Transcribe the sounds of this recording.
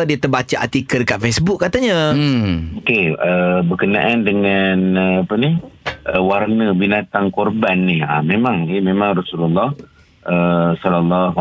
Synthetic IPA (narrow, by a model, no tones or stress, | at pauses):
diət̪ərbat͡ʃaʔa̰t̪ikədkaʔfesbʊkːat̪aɲã | okeəbəkənaʔandəŋanəapənihʔəwarnəbinat̪aŋkɔrbanːɪha̰memãŋememãŋrɔsululːɔh | ʔəsɔlɔlːɔɦ